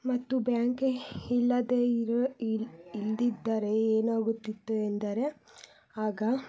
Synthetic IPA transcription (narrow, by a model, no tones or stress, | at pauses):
mɐt̪ːubjaːŋkeilːɐd̪eɾ | ild̪id̪ːɐɾe̞eːnaːɡut̪ːit̪ːuend̪ɐɾe̞ | aːɡɐ